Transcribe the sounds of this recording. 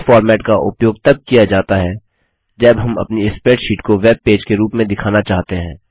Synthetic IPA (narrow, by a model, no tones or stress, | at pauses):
fɔːɾmɛːʈkaʔʊ̰pjoːɡ̚t̪ɐb̚kijad͡ʒaːt̪aɦɛ | d͡ʒɐbɦɐmɐ̰pniɪspeːʈʃiːʈkoʋeːb̚peːd͡ʒkeɾuːpmẽd̪ɪkʰaːnat͡ʃaːɦt̪eɦɛ̃ː